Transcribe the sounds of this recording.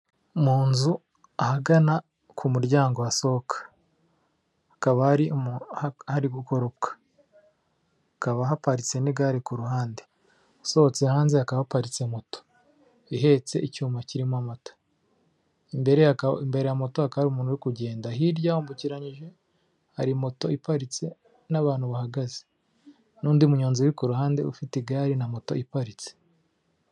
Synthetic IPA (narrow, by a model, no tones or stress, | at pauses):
muːnzu | ahaɡana | kʰumuɾɟaːŋɡo̞waso̞kʰḁ | kaβahaɾimhaɾiɡuko̞ɾob̚kḁ | akaβaɦapaɾit͡seniɡaɾikuɾuhaːnde | so̞ot͡sehaːnzeakaβaapaɾit͡semoto̥ | iɦe̞ːt͡se̞ʔicuːmaciɾimamato̥ | imbe̞ɾejaimbe̞ɾejamo̞to̞hakahaɾumuːnhuɾikuɟe̞ːndaɦiɾɟahoːmbuciɾaɲiʒe̞ | haɾimo̞to̞ipaɾit͡se̞ | naβaːn̥huβahaɡaze | nuːndiumuɲoːnziwɾikuɾuɦaːnde̞ṵfitiɡaːɾinamo̞to̞̰ipaɾit͡se̥